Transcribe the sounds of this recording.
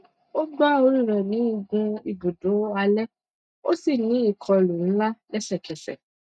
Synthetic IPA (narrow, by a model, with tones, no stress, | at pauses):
o˦ɡ͡ba˦o˧ɾĩ˦˨ɾɛ˨nĩ˨˦i˦˨ɡũ˧i˨ɡu˨do˨˦a˧lɛ˦ | o̰˦si˦˨nĩ˨˦i˦˨kʰɔ˧˨lu˨n̩˦la˦lɛ˦ʃɛ˦˨kʰɛ˨sɛ̰˨